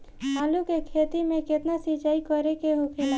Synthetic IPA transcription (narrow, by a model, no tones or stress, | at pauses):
maːlukekʰeːt̪imẽkɪt̪nasit͡ʃaːikɔɾekeɦokʰeːla